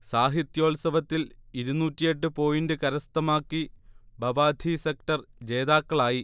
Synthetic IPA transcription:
saːɦit̪jo̞ːɭsɐʋɐt̪ːiliɾunuːtːijeʈːɨpo̞ːjindɨkɐɾɐst̪ɐmaːkːibɐʋaːd̪ʱisekʈɐrd͡ʑe̞ːðaːkːɐɭaːji

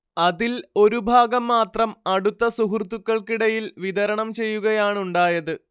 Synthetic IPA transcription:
ɐðilo̞ɾubʱaːɡɐmːaːt̪rɐmɐɽut̪ːɐsuɦurt̪ːukːɐɭkiɽɐjilʋid̪ɐɾɐɳɐmt͡ɕe̞jːuɣɐjaːɳuɳɖaːjɐðɨ

